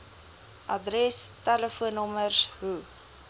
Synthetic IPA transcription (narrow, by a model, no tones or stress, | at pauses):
ʔɐdrɛstæləfuənɔmərsɦu